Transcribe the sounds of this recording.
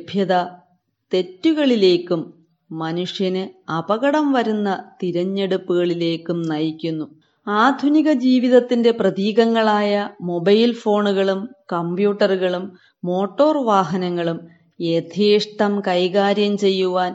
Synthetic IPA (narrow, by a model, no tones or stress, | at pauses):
bʱjɐðɐ | t̪e̞tːuɣɐɭile̞ːkːumː | ɐnuʂjɐnɨɐbɐɣɐɽɐmʋɐɾunːɐt̪iɾɐɲːe̞ɽupːuɣɐɭile̞ːkːumnɐjikʲːunːu | aːd̪ʱuniɣɐd͡ʑiːʋiðɐt̪ːinde̞prɐðiːɣɐŋːɐɭaːjɐmo̞bɐjlfo̞ːɳuɣɐɭumkɐmbjuːʈːɐruɣɐɭumː | o̞ːʈːo̞ːrʋaːɦɐnɐŋːɐɭum | e̞d̪ʱʰiːʂʈɐmkɐjɣaːɾjɐmt͡ɕe̞jːuʋaːn